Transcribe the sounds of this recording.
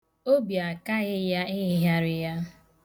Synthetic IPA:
o˦bi˨a˨ka˦ɣɪ˦ja˦ɪ˦ɪ˦ɦja˦ɾɪ˨ja˦

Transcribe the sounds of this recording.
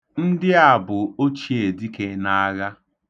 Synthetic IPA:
n̩˦dɪ˦a˨bʊ˨o˦t͡ʃi˨˦e˨di˦ke˦na˦ɣa˦

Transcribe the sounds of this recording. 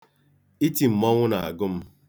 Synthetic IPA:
i˦ti˨m̩˨mɔ˦ŋʷʊ˦na˨a̰˨ɡʊ˦m̩˦

